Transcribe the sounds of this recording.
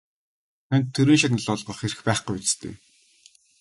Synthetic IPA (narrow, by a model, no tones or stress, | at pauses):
t̪ʰænʲt̪ʰːeɾĭːnʃat̪nə̆ɮɔɮʁɞ̆χeɾɘ̆xpæːχɡujut͡st̪ʰḛː